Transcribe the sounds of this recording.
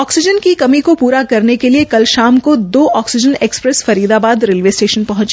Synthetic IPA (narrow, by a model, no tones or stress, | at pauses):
ɔːksɪd͡ʒənkikɐmikopuːɾakɐɾnekeliekɐlʃaːmkod̪oːʔɔːksɪd͡ʒəneːkspɾɛsfɐɾiːd̪abaːd̪ɾeːlʋeːsʈeːʃənpɐɦʊ̃t͡ʃ